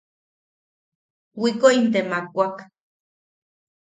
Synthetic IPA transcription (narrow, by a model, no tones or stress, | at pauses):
wikoint̪emakʷak